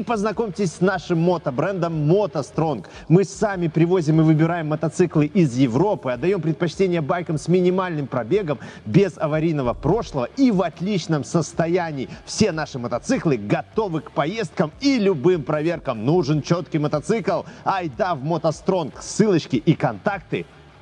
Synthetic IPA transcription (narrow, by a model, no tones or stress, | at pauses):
ipəznɐko̞mʲtʲɪsʲsnaʂɨmːot̪əbɾɛnd̪əmːot̪ɐst̪ɾo̞nk | mɨsamʲɪpɾʲɪvo̞zʲɪmɨvɨbʲɪɾajɪmːət̪ɐt̪sɨklˠɨʔɪzjɪvɾo̞pɨɐd̪ːɐjo̞mpɾʲɪt̪̚pɐt͡ɕtʲenʲɪjəbajkəmsʲmʲɪnʲɪmalʲnɨmpɾɐbʲe̞ɡəmbʲɪzɐvɐɾʲijnəvəpɾo̞ʂlˠəvəivɐt̪lʲit͡ɕnəmsəst̪ɐjænʲɪiːfsʲe̞n̪aʂɨmət̪ɐt̪sɨklˠɨɡɐt̪o̞vɨkpɐje̞st̪̚kəmilʲʊbɨmpɾɐvʲe̞rkəmnuʐɨnt͡ɕo̞t̪kʲijmət̪ɐt̪sɨklˠɐjd̪avmot̪ɐst̪ɾo̞nksɨlˠət͡ɕkʲɪʔikɐnt̪ak̚t̪ɨ̰